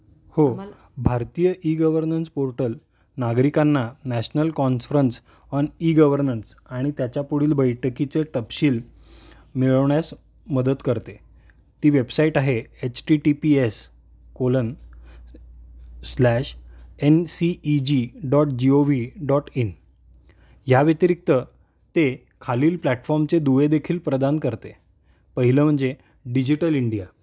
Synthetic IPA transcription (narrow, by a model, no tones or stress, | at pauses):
ho | bʱaɾt̪ijəʔiɡəʋəɾnənspoɾʈəl | naɡɾikanːanæɕnəlkɔnfɾəns | ɔniɡəʋəɾnəns | aɽ̃it̪jat͡ɕapuɽiːlbəjʈəkit͡seʈəpɕiːl | miɭəʋɳjas | məd̪ət̪kəɾt̪e | t̪iːʋebsaiʈaɦeet͡ɕʈiʈipies | kolən | slæɕensiːd͡ʑiɖɔʈ̚d͡ʑioʋiɖɔʈin | ɦjaʋjet̪iɾik̚t̪ə | t̪e | kʰaliːlplæʈfɔɾmt͡sed̪uʋed̪ekʰiːlpɾəd̪ankəɾt̪e | pəɦiləːm̤əɳd͡ze | ɖid͡ʑiʈəliɳɖija